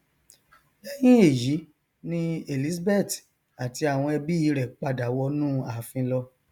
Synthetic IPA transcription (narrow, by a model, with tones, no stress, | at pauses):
ɛ˦j̃ĩ˦e˦˨ji˨˦ | nĩ˦e˨li˨˦sbɛ˦˨t | a˨ti˧a˨w̃ɔ̃˧ɛ˧bi˦i˨˧˦ɾɛ˨k͡pa˧da˨˦wɔ˧nũː˦a˨fĩ˧lɔ˧